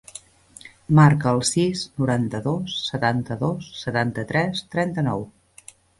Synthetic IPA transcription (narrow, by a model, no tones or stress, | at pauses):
maɾkəːlˠsisnuɾant̪əðosːət̪ant̪əðosːət̪ant̪ət̪ɾɛst̪ɾɛnt̪ənɔw